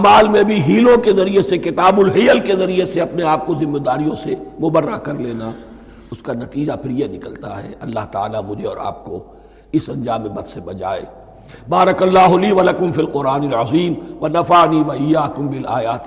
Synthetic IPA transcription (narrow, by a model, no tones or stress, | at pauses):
maːlmẽbʱiɦiːlõkezɐɾiesekɪt̪aːbʊlɦijəlkezɐɾieseɐpneaːp̚kozɪmːeːd̪aːɾijõsemʊbərːakɐɾleːna | ʊskanɐt̪iːd͡ʒapʰɪɾjenɪkəlt̪a̰ɦɛ̰ɐlːaɦt̪ɐa̰ːlamʊd͡ʒʱeɔ̰ːɾa̰ːp̚ko | ɪsɐ̃nd͡ʒaːmːebɐt̪sebɐd͡ʒa̰ːḛː | baːɾɐkɐlːaːɦʊliːʋɐlɐkʊmfilqʊɾaːnɪlʕɐziːmʋɐnɐfaʕniːʋɐɪjːaːkʊ̃mbɪlaːjaːt̪